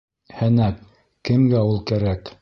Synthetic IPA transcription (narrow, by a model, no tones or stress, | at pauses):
hɘnæk | kɘ̆mɡæulˠkæɾæk